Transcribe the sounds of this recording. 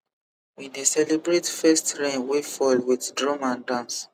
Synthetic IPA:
winesɛlebɹetfɛstɹẽnwefɔlwiddɹɔmãndãms

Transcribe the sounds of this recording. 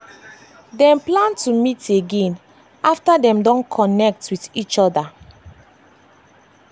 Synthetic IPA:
dɛ̃mplãntumiteɡẽn | aftadɛ̃mdɔ̃nkʰɔnɛk̚twitit͡ʃɔda

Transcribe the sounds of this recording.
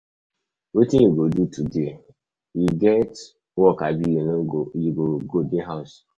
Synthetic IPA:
wetijiɡodutude | jiɡɛt | wɔkabijenjiɡoɡodeɦaʊs

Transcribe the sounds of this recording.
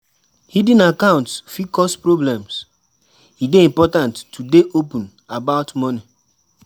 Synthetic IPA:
hidĩnakãʊ̃ntfikɔspɾoblɛ̃ms | hideĩmpɔtãntːudeʔopũn | abaʊtmɔni

